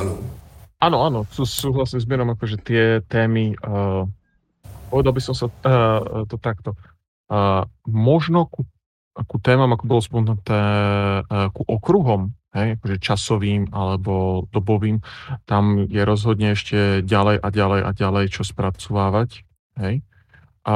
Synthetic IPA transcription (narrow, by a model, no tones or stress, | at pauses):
ʔaːnɔaːnɔsusuːɦlasiːmzmɪɛɾɔmakɔʒɛt̪ɪɛt̪ɛːmi | pɔʋɛd̪albisɔmsa | t̪ɔt̪akt̪ɔ | mɔʒnɔku | akut̪ɛːmamakɔbɔlɔspɔmɛnut̪ɛː | kuʔɔkɾuɦɔmɦɛjakɔʒɛt͡ʃasɔʋiːmalɛbɔd̪̥ɔbɔʋiːmt̪amjɛɾɔzɦɔd̪ɲɛɛʃcɛɟalɛjʔaɟalɛjʔa̰ɟalɛjt͡ʃɔspɾat͡sɔʋaːʋac | ɦɛj